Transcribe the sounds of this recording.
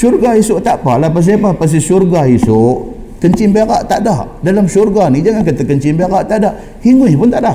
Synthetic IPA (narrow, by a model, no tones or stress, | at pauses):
surɡaisʊʔt̪aʔpalapas̬iapapas̬isurɡaisʊʔ | kəɲt͡ʃɪŋbeɾaʔt̪aʔdaʔdalamsurɡanid͡ʒaŋankat̪akəɲt͡ʃɪŋbeɾaʔt̪aʔdaʔ | hiŋʊhpʊnt̪aʔda